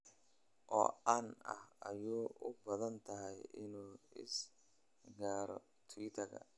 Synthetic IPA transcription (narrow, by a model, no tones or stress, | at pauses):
ʔɔ̰ːɐnɐ̰hɐjuːʔʊbɐðɐnt̪ʰɐɦɛjɪnuːɪ̰s | ɡaːɾɔ̰ | t̪ʰwɪt̪ʰɐkɐ̰